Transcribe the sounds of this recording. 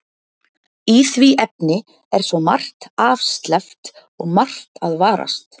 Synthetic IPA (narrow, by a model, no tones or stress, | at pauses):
iθviʔɛpnɪ | ɛɾ̥svɔma̰r̥t̪aːfst̪lɛft̪ | ɔɣmar̥t̪aðvaːɾa̰st̪